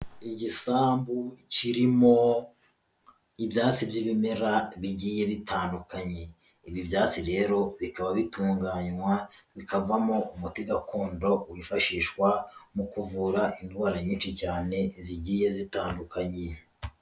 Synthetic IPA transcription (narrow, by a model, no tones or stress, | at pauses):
iɟisaːmbuciɾimo̞ | ibjaːt͡sibjiβimeɾaβiɟiːje̞βitʰaːndukaɲe̞ | iβibjaːt͡siɾe̞ːɾo̞βikaβaβituːŋɡaɲwaβikavamo̞umutiɡakʰoːndo̞uwifaʃiːʃkwamukuvuːɾaʔindwaːɾaɲiːnʃicaːne̞ziɟiːje̞zitaːndukʰaɲe